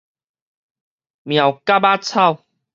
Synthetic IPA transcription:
mj̃ã˨˩wka˦ba˦t͡sʰa˥˧˨w

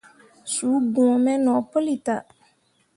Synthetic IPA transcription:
suː˨˦ɡũ˨mɛ˦nɔ˨po˦li˨ta˨

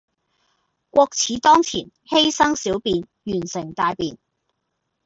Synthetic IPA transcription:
kʷɔː˧k̚t͡sʰiː˨˧t̪ɔː˥ŋt͡sʰḭː˨˩n | he˥jsɐ˥ŋsiː˨˥wpiː˧n | jyː˨˩nsɪ˨˩ŋt̪aː˧jpiː˧n

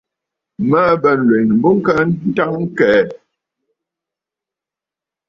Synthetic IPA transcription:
mə˦bə˨n̩˨lwe˨nbu˦ŋ˦kə˦n̩˦ta˦ŋ̩˦kɛ˨˦

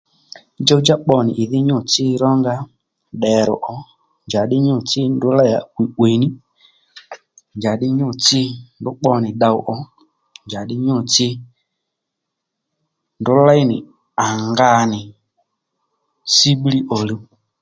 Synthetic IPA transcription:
d͡ʒa˦u˦d͡ʒa˦k͡pɔ˧nɪ˨ʔɪ˨ðɪ˦ɲʊ˦˨t͡sɪ˦ɾɔ˦ŋɡa˦ | ɗɛ˨ɾɔ̰˨ʔɔ˧ | nd͡ʒa˨ɗɪ˦ɲʊ˦˨t͡sɪ˦ndʊ˨˦la˦a̰˨kwi˨we˨ni˦ | nd͡ʒa˨ɗɪ˦ɲʊ˦˨t͡sɪ˦ndʊ˦k͡pɔ˧nɪ˨ɗa˧ʊ˦ʔɔ˧ | nd͡ʒa˨ɗɪ˦ɲʊ˦˨t͡sɪ˦ | ndʊ˦la˦jnɪ̰˨ | a˨ŋɡa˧nɪ˨ | si˦ɓli˦ʔɔ˨lu˧

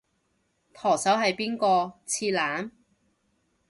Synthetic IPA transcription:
t̪ʰɔː˨˩sɐ˨˥wɦɐ˨jpiː˥nkɔː˧t͡sʰiː˧laː˨˥n

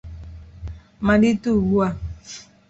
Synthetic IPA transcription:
ma˨di˦tu˦˨wu˦a˦˨

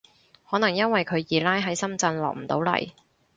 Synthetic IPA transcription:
hɔː˨˥nɐ˨˩ŋjɐ˥nwɐ˨jkʰɵ˨˧ɥjiː˨˧laː˥jɦɐ˨˥jsɐ˥mt͡sɐ˧nlɔ̰ː˨k̚m̩˨˩t̪o̰˨˥wlɐ̰˨˩j

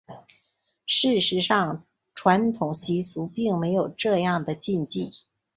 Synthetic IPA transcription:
ʂɻ̩˥˩ʂɻ̩˧˥ʂɑ˥˧ŋ | ʈ͡ʂʰwa˧˥nt̪ʰʊ˨˩ŋɕi˧˥su˧˥pi˥˩ŋme˧˥ɪjo˨˩ʊʈ͡ʂɤ˥˧jɑ˥˩ŋd̪ə˩t͡ɕi˥˧nt͡ɕi˥˩

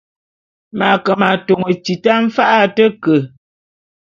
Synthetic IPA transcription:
ma˨kə˨ma˨to˨ŋə˨t͡ʃi˨ta˦ɱ̩˦fa˦ʔa˦tə˦kə˨

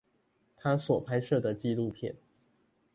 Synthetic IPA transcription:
t̪ʰa˥swɔ˨˩pʰa˥ɪʂɤ˥˩d̪ə˩t͡ɕi˥˧lu˥˧pʰjɛ̰˥˩n

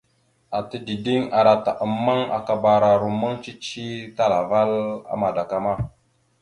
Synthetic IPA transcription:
a˨tə˦di˨di˦ŋa˨ɾa˨ta˨ʔə˨mːa˦ŋa̰˨ka˨ba˨ɾa˨ɾu˨ma˦ŋt͡ʃi˦t͡ʃi˦ta˦la˨va˦la̰˦ma˨da˨ka˦ma˦˨

